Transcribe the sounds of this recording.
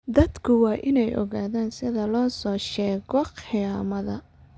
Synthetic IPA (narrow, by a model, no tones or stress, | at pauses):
d̪ɐd̪kʰʊwɑːʔɪnɛjʔɔ̰ɣaːðaːnsɪðɐlɔːsɔːʃɛːɣɔqɪjaːmɐðɐ